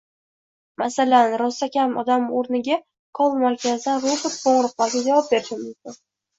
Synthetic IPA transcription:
masalanɾɒsakʲʰamɒ̰d̪amoɾnɪɡʲa | kʰɒlˠmaɾkʲazd̪anɾobɪt̪̚qʰoɴɾɨq̚lɒlˠɡʲad͡ʒavɒp̚be̞ɾɪʃɪmmʊmkʲʊn

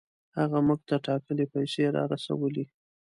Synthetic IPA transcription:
haɣamuɡ̚t̪aʈɑkəlepajseɾɑ̰ɾasa̰wəle

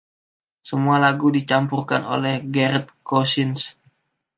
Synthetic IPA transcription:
səmualaɡudit͡ʃampurkano̰lɛhɡɛɾɛt̪̚kosɪns

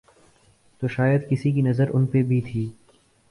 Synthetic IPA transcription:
t̪oːʃaːjəd̪kɪsik̬inɐzəɾʊ̰npebʱit̪ʰiː

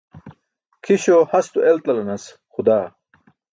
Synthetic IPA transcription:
kʰiɕohɐst̪uʔelt̪ɐlɐnɐs | xud̪aː

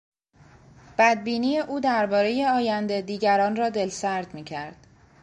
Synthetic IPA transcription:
b̥æd̪̚biːniːje̞ʔuːd̪æɾbɒːɾe̞je̞ɒːjænd̪e̞d̪iːɟæɾɒːnrɒːd̪e̞lsæɾd̪miːcʰæɾd̪̥

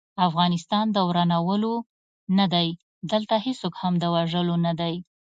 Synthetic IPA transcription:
afɣɑnɪst̪ɑnd̪əwɾanawəlo | nad̪aj | d̪əlt̪ahesokhamd̪əwaʒəlonad̪aj

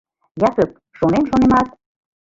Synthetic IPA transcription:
jɑkək̚ | ʃonenʃonemɑt̪̚

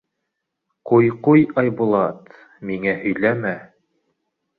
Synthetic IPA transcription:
qujqujɑjbulˠɑt̪ | miŋæhɵ̆jlæmæ

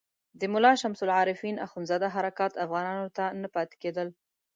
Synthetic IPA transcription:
d̪əmʊlɑʃamsʊlʕɑɾɪfinaxunzɑd̪aɦaɾakɑt̪afɣɑnɑnot̪anapɑt̪ɪ̥ked̪əl

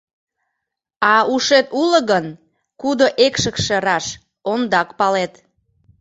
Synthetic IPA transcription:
ɑuʃet̪uləɣən | kud̪oʔekʃəkʃĕɾɑʃ | ond̪ɑkpɑlet̪

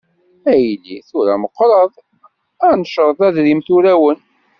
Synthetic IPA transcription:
æjlḭθʊɾæ̰məqːɾˤəðˤ | ænʃəɾˤðˤæðɾimθuɾæwən

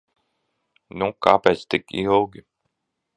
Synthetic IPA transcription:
nukaːpɛːt̪st̪ikilˠɡʲi

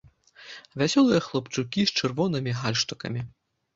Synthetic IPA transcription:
vʲasʲɔlˠɨjɐxlˠɐpt͡ʂukʲist͡ʂɨrvɔnɨmʲiɣalʲʂt̪ɐkɐ̰mʲi

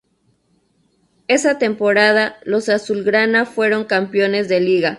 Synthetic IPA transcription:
e̞sat̪e̞mpo̞ɾað̞alo̞sasulɡɾanafwe̞ɾo̞ŋkampjo̞ne̞zðe̞liɣa

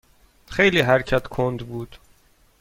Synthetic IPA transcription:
xejliːɦæɾcʰæt̪ʰkʰond̪buːd̪̥

